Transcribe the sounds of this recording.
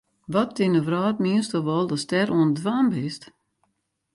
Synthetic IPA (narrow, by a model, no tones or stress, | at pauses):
ʋɔtːɪnəʋraːtmiənstɔʋɔlˠdɔstɛɾuəndʋaːmbɪst